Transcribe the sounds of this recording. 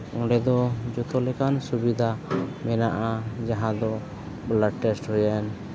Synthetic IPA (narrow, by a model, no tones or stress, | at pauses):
ɔ̃ɖɛd̪ɔd͡ʒɔt̪ɔlɛkansubid̪ʱamɛnaʔad͡ʒaɦãd̪ɔ | blaʈɛsʈɦɔjan